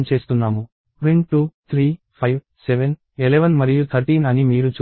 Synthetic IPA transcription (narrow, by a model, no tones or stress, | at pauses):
mt͡ʃe̞ːst̪unːaːmu | ɾiɳʈuːt̪ʰɾiː | pʰɐjʋ | seʋen | eleʋɐnmɐɾijut̪ʰɐɾʈiːnɐnimiːɾut͡ʃ